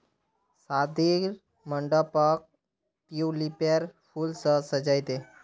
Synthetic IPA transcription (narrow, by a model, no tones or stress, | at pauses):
sad̪ʱiɾ | məɳɖəpək̚ | piulipaɾfuːlsəsəd͡ʑajt̪e